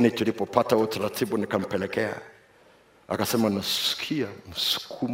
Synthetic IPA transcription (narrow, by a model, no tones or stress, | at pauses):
nit͡ʃilipɔpatautaɾatʰiɓunikam̩pɛlɛkɛa̰ | a̰kasɛmanasskʰiam̩su̥kʰum